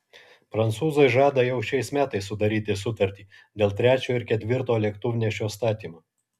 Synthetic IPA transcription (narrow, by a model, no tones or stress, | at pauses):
pɾɐnt̪suːzɐɪʒɑːd̪ɐjɛʊʃʲɛɪsmʲæːt̪ɐɪsːʊd̪ɐɾʲiːt̪ʲɪsʊt̪ɐɾʲt̪ʲiː | d̪ʲeːlˠt̪ʲɾʲæːt͡ʃʲoːɪɾkʲɛt̪ʲʋʲɪɾt̪oːlʲɛkt̪ʊʋʲnʲeːʃʲoːst̪ɑːt̪ʲiːmoː